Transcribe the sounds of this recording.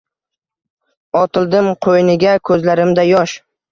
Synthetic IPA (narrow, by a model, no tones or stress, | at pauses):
ɒt̪ʰɪlˠd̪ɪmqʰojnɪɡʲakʰɵzlaɾɪmd̪ajɒʃ